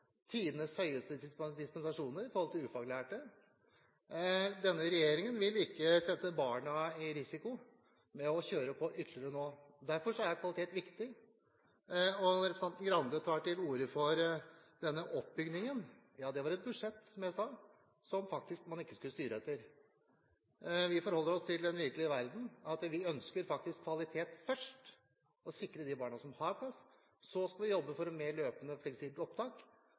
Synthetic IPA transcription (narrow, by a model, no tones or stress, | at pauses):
t̪ʰiːd̪ənəshœʏəst̪əd̪ɪspɛnsɑʂuːnəɾɪfɔɾhɔlt̪ɪlʉːfɑɡlæːʈə | d̪ɛnːəɾɛjeːɾɪŋənʋɪlɪkːəsɛt̪ːəbɑːɳəɪɾɪsɪkʊ | mɛɔçøːɾəpʰɔʔʏt̪ʰləɾənoːd̪æɾfɔʂɔæɾjækʰʋɑlɪt̪eːt̪ʋɪkt̪ɪ | ɔnɾɛpɾsɛnt̪n̩ɡɾɑnd̪ət̪ʰɑːʈɪluːɾəfɔɾd̪ɛnːəʔɔpbʏɡd̪nɪŋən | jɑːd̪ɛʋɑɾɛt̪̚bʉd̪ʂɛt̪ːsɔmjæɪsɑː | sɔmfɑk̚t̪ɪskmɑnɪkːəskʉlːəst̪yːɾəɛt̪ːəɾ | ʋɪfɔɾhɔlːəɾɔst̪ʰɪld̪ɛnʋɪɾkəlɪəʋæɾd̪n̩ɑt̪ʋɪœnskəɾfɑk̚t̪ɪskʰːʋɑlɪt̪ʰeːt̪fœʂʈ | ɔsɪkːɾəd̪ɪbɑːɳɑsɔmhɑɾpʰlɑs | sɔskɑlʋɪjɔbːəfɔɾɔmeːɭøːpənəflɛksiːbəlɔp̚t̪ʰɑːk